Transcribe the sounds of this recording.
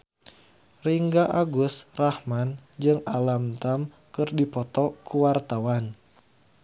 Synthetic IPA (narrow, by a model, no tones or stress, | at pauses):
riŋɡaʔaɡʊsrahmand͡ʒɨŋalamt̪am | kɨrdipɔt̪ɔkuwart̪awan